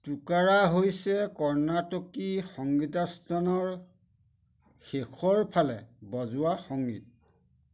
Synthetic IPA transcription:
tukaɹaɦojsɛkɔɹnatokixɔŋɡitastʰanɔɹ | xexʰɔɹpʰalɛ̰bɔzʊaxɔŋɡḭt̚

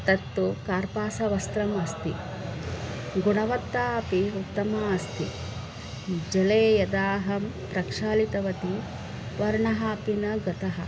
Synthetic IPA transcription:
t̪ɐt̪ːukaːɾpaːsɐʋɐst̪ɾɐmɐst̪ḭ | ɡunɐʋɐt̪ːaːɐpiukt̪ːɐmaɐst̪ḭ | d͡ʒɐleːjɐd̪aːɦɐm | pɾɐkʂaːlit̪ɐʋɐt̪i | ʋɐɾɳɐɦaːpinɐɡɐt̪ɐɦɐ̰

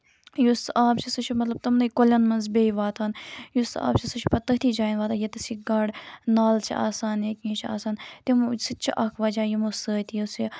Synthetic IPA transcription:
jusʔaːbt͡ʃʰisɨt͡ʃʰimɐt̪lɐb̚t̪ɐmnɐjkolʲɐnmɐnzbʲejʋaːt̪ʰanjusa̰ːbt͡ʃʰisɨt͡ʃʰu̥pɐt̪ɐɦt̪ʰiːd͡ʒaːjnʋaːt̪ajet̪ɐsiɡɐɽnaːlt͡ʃʰḭʔa̰ːsaːnekʲĩːt͡ʃʰia̰ːsaːnt̪imsɨt͡ʃʰiʔɐkʰʋaːd͡ʒaːjimosəːt̪ʲijusi

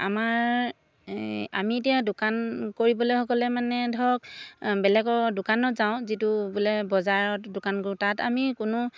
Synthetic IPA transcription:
a̰maɹ | a̰mietijadʊkankoɹibɔlojxɔkɔlɛmanɛdʱɔkbɛlɛɡɔdʊkanɔtzaʊ̃zitubulɛbɔzaɹɔtdʊkankoɹũtata̰mikʊnʊ

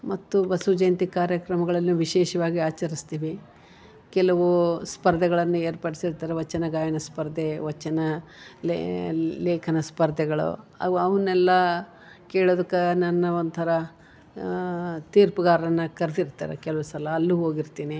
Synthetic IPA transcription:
mɐt̪ːubɐsud͡ʒeːnt̪ikaːɾjɐkɾɐmɐɡɐɭɐlːuʋiʃɛːʃɐʋaːɡiaːt͡ʃɐɾist̪iːʋi | kɛlɐʋuspɐɾd̪ɛɡɐɭɐnːueːɾpɐɽisiɾt̪aːɾeʋɐt͡ʃːɐnɐɡaːjɐnɐspɐɾd̪ːeʋɐt͡ʃːɐnɐl | leːkʰɐnɐspɐɾd̪ʱɛɡɐɭṵɐ̰ɐʋɐnːɛlːɐ | keːɭoːd̪ɐkːɐnɐnːɐond̪t̪ʰɐɾɐ | t̪iːɾpɐɡaːɾɐnːɐkɐɾd̪iɾt̪a̰ːɾḛkɛlɐʋusɐlɐːlːuɦoːɡiɾt̪iːni

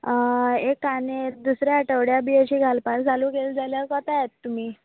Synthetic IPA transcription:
ekaned̪usɾjaəʈəʋɽjabiat͡ɕiːɡʱalpaɾt͡salukeld͡zaljakɔt̪ajet̪ːum̤iː

